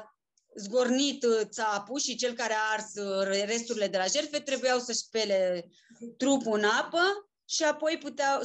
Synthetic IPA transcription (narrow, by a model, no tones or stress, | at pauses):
zɡo̞rnit̪t̪sapuʃit͡ʃe̞lkaɾeaarsre̞st̪uɾile̞d̪e̞laʒe̞rfe̞t̪ɾe̞bujawsəʃpe̞le̞ | t̪ɾupuɨnapə | ʃiapo̞jput̪eaw